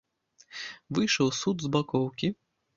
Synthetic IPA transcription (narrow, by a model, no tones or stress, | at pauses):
vɨjʂɐwsud̪zbakɔwkʲi